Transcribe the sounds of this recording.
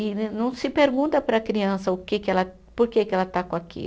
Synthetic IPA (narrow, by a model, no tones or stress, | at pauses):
ɪnɐ̃w̃sɪpeɾɡũnt̪ɐpɾɐkɾiɐ̃sɐʊkekɪɛlɐ | poɾkekɪɛlɐt̪akõakḭl